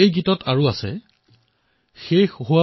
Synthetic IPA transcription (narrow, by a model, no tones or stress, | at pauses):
ejɡitɔtʰaɹʊasɛ̰ | xejxɦʊwa